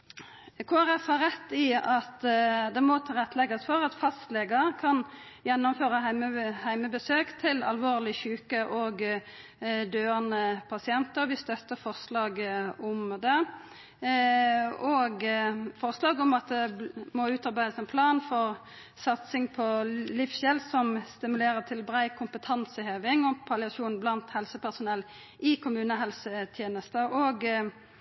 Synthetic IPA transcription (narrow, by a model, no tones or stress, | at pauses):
kʰoːæʁɛfhɑʁɛt̪ːɪɑt̪d̪ɛmɔt̪ʰɪʁɛt̪ːlɛɡɑsfɔʁɑt̪fɑst̪leːɡəkʰɑn | jɛnːʊmføːʁəhæɪməbəsøːkt̪ʰɪlɑ̰lʋoːʁlɪçʉːkəʔoːɡ | d̪øːɑnəpʰɑsɪɛnt̪əʁʋɪst̪œt̪ːəfɔʁslɑːɡɔmd̪ɛ | ɔːɡfɔʁslɑːɡɔmɑt̪̚d̪ɛmɔʉːt̪ɑɾbæɪd̪əsɛnpʰlɑːnfɔʁ | sɑt̪sɪŋpʰɔlifsçɛlsɔmst̪ɪmʉleːɾəʁt̪ʰɪlbɾæɪkʰʊmpət̪ʰɑnsəhøːʋɪŋɔpʰɑlɪɑʃuːnblɑnt̪hɛlsəpæʁsʊnɛlː | ʔɪkʰʊmʉːnəɦɛlsət̪ʰjeːnəst̪əʔoːɡ